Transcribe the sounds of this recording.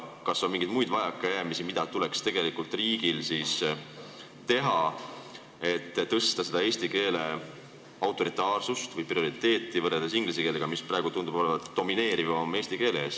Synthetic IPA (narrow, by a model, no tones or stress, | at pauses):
kɑsːomiŋɡid̪mujd̪̥vɑjɑkːˑɑjæːmisimid̪̥ɑt̪ulekst̪e̞ɡe̞likult̪ˑriːɡ̥ilsis | t̪e̞ɦɑ | e̞t̪ːɤst̪ɑse̞d̪̥ɑeːsʲt̪ike̞ːle̞ | ɑwt̪ːˑo̞ɾit̪ˑɑːrsust̪vɯjprio̞ɾit̪e̞ːt̪ˑːivɤrɾːeld̪esiŋɡliseke̞ːleɡ̥ɑmisprɑeɡ̥ut̪und̪ubo̞levɑt̪d̪̥o̞mine̞ːɾivomːe̞ːst̪ike̞ːleeːs